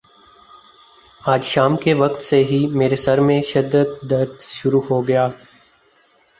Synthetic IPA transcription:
aːd͡ʒʃaːmkeʋɐqt̪seɦimeːɾesɐɾmẽʃɪd̪ːəd̪ːɐɾd̪ʃʊɾuɦoɡɐjaː

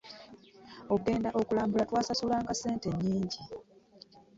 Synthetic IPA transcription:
oɡe̞ːndaʔo̞kulaːmbulatwaːsasulaːŋɡase̞ːnte̞ɲːiːɲɟi

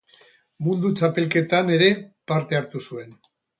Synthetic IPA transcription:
mund̪ut͡ʃape̞lke̞t̪ane̞ɾe̞paɾt̪e̞aɾt̪usue̞n

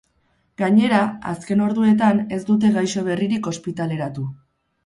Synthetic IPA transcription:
ɡaɲe̞ɾaa̰ske̞no̞ɾðue̞t̪ane̞zd̪ut̪̬e̞ɣajso̞β̞e̞riɾiko̞spit̪ale̞ɾat̪u

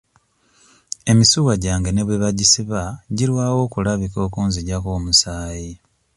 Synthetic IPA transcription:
e̞misuɣaɟaːŋɡene̞βweβaɟisiβaɟiɾwaːwo̞ːkulaβiko̞ːkuːnziɟakoːmusaːji

